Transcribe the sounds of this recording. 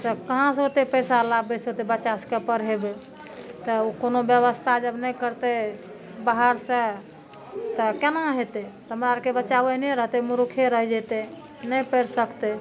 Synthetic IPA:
t̪əkəɦãsot̪epəsalabbesət̪ebət͡ʃaskepəɾɦebe | t̪ɔukonobjəβəst̪ʰad͡ʒəbnəjkəɾt̪e | baɦəɾse | t̪ɔkenaɦet̪et̪ɦəmɾaɾkebət͡ʃabenɛɾəɦt̪emuɾukʰeɾəɦd͡ʒɛt̪e | nəjpəɾsəkt̪e

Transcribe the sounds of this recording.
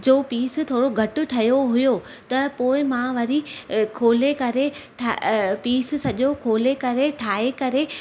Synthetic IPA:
d͡ʑoːpiːst̪ʰoːɽoɡʱɐʈʊ̆ʈʰɐjoɦʊjo | t̪ɐpoːɪmãʋɐɾikʰoːlekɐɾeʈʰapiːssɐʄokʰoːlekɐɾeʈʰaːekɐɾe

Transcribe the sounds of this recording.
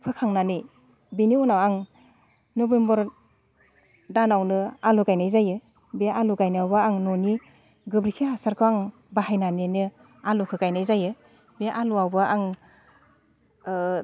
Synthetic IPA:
pʰɯkʰaŋnanɯj | biniɔnawaŋ | nɔbembɯɾ | danawnɯaluɡajnajzajɯ | beaʔaluɡajnawbaaŋnɔni | ɡɯbɾikʰiɦasaɾkʰɯaŋ | baɦajnanenɯ | alukʰɯɡajnajzajɯ | beaʔaluawbaʔaŋ

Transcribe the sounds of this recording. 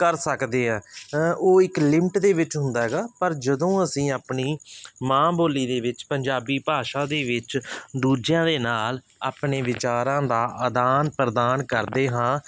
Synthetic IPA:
kəɾsəkd̪eːɦɛ̃ːʔoːɪklɪmʈd̪eːʋɪt͡ʃɦʊ̃nd̪aːɦɛɡaːpəɾd͡ʒəd̪õːəsĩːaːpɳiːmãːboːliːd̪eːʋɪt͡ʃpəɲd͡ʒaːbiːpaːʃaːd̪eːʋɪt͡ʃd̪uːd͡ʒjãːd̪eːnaːl | a̰ːpɳeːʋɪt͡ʃaːɾãːd̪aːʔəd̪aːnpɾəd̪aːnkəɾd̪eːɦãː

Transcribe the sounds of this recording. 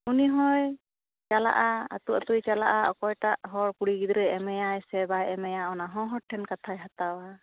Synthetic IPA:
uniɦɔj | t͡ʃala̰ʔaa̰t̪uʔat̪ujt͡ʃala̰ʔaʔɔkɔjʈaʔɦɔɽkuɽiɡid̪ɾɛɛmɛjajsɛbajɛmɛjaɔnaɦɔ̃ɦɔɾʈʰɛnkat̪ʰajɦat̪awa

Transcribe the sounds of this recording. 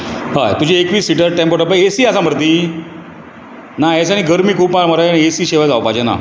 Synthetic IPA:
ɦajt̪ud͡ʑiekʋiːsiʈəɾʈɛ̃mpoɾʈəɾpəjesiːasam̤əɾt̪iː | naes̬aɽ̃iɡəɾmiːkʰuːpmaɾməɾajãiesiːɕeʋajd͡zawpad͡ʑena̰

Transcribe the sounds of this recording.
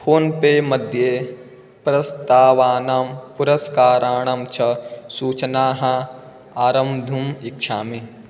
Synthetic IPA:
pʰoːnpeːmɐd̪ʱjeː | pɾɐst̪aːʋaːnaːmpuɾɐskaːɾaːɳɐmt͡ʃʰɐsuːt͡ʃnaːɦɐ̃ | aːɾɐmd̪ʱumikʃʰaːmi

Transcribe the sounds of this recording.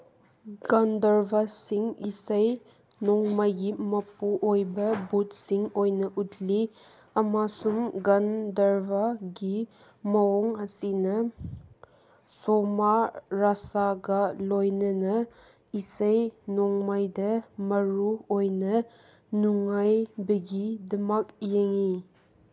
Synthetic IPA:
ɡandɐɾbasiŋisəj | nɔŋmajɡimɐpuʔojbɐbut̚siŋojnɐʔutli | ɐmasumɡandɐɾbʱaɡi | mɐɔŋɐsinɐ | sɔmaɾasaɡalojnɐnɐ | isɐjnɔŋmajdɐmɐɾuojnɐ | nuŋajbɐɡidɐmak̚jeŋi

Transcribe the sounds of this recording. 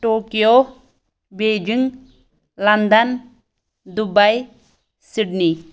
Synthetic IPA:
ʈoːkijo | bed͡ʒiŋ | lɐnd̪ɐn | d̪ubaj | siɖni

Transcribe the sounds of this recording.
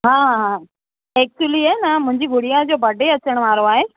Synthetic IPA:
ɦãːɦãː | ɛːk̚t͡ɕuʊəliaːnɐmʊ̃ɦɪ̃ɲd͡ʑiɡʱʊɽijad͡ʑoːbʱɐɖʱeɐt͡ɕəɽ̃əʋaːɾoaːɦeː

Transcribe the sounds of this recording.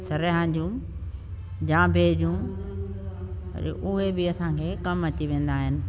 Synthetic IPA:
sɐɾɦãd͡ʑũ | d͡ʑãːbʱeːd͡ʑũ | ʔʊɦebɪɐsãːkʰeːkɐmɐt͡ɕiʋẽːnd̪aːɦɪnɪ̆

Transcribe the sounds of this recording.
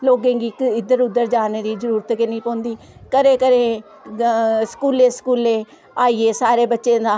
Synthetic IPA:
loːɡẽːɡiːkɪd̪əɾʊd̪ːəɾd͡ʒaːneːɾiːzəɾuːɾət̪kɪnĩːpõːnd̪iː | kəɾeːkəɾeː | skuːleːskuːleː | aːiːeːsaːɾeːbətːʃẽːd̪aː

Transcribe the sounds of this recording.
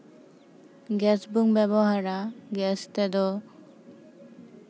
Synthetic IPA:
ɡɛsbuŋbɛbɔɦaɾaɡɛst̪ɛd̪ɔ

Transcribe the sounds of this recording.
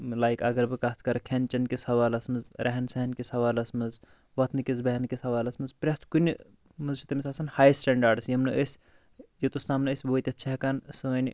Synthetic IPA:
laːjkɐɡɐɾbɨkat̪ʰkɐɾkʲʰent͡ʃɐnkʲisɐʋaːlɐsmɨzɾʔɐɦɐnsɐɦɐnkisɐʋaːlɐsmɨz | ʋɐt̪ʰnɨkʲizbɐɦɐnkisɐʋaːlɐsmɨzpɾʲɐt̪ʰkunʲi | mɨzt͡ʃʰit̪ɐmʲisɐsɐnhaːjsʈeɳɖaɾɖɨsjɐmnɨʔəsʲ | jit̪ost̪amnɨəsʲboːt̪ʲɐt̪̚ʰt͡ʃʰɐɦkɐnsɨʋɐnʲ

